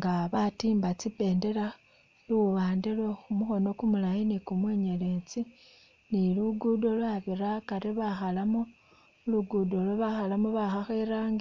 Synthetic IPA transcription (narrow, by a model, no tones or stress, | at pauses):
ŋɡaβatiːmbat͡sipe̞ːnde̞ɾa | luβaːndelwexumuxo̞no̞kumulajinikumweːɲe̞le̞t͡si | niluɡudolwaβiɾakaɾiβaxalamo | luɡudoloβaxalamoβaxaxeɾaŋɡ